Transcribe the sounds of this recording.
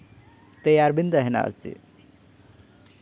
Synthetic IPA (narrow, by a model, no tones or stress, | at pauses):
t̪əjaɾbind̪əɦena̰ə̰ɾt͡sḭ